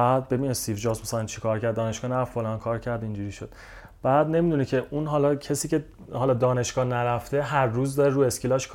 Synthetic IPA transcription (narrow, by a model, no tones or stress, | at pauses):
bæːd̪̚be̞biːnest̪iːvd͡ʒɒːsmesælænt͡ʃʰi̥kʰɒːɾcʰæɾd̪ːɒːne̞ʃɡɒːnæɾæffolɒːnkʰɒːɾcʰæɾd̪ind͡ʒuɾiːʃod̪̥ | b̥æːd̪ne̞mid̪unicʰe̞ʔunɦɒːlɒcʰesiːce̞ | hɒlɒːd̪ɒːne̞ʃɡ̥ɒːnæɾæft̪e̞ɦæɾːuːzd̪ɒɾeɾuːe̞scʰilɒːʃkʰ